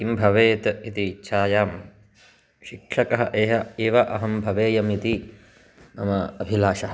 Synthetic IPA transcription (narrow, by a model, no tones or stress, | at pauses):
imbʱɐʋeːt̪ɐit̪it͡ʃʰaːjaːm | ʃikʂɐkɐɦɐʔeːɦɐeːʋɐʔɐɦɐmbʱɐʋeːjɐmit̪i | mɐmɐɐbʱilaːʃɐɦɐ